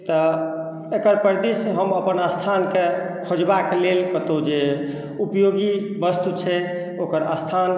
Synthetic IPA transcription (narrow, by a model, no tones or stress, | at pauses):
t̪ɔ | ekəɾpəɾd̪isɦəməpənəst̪ʰanke | kʰod͡ʒbaklelkət̪od͡ʒe | upjoɡi | bəst̪ut͡ʃʰɛ | okəɾa̰st̪ʰan